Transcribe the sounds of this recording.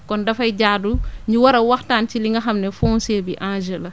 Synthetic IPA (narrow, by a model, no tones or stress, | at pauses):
kɔndɐfɐjɟaːduɲiwaɾɐwaxtaːnt͡ʃiliŋɡɐxamnɛfɔnseːbiʔãːnd͡ʒɛlɐ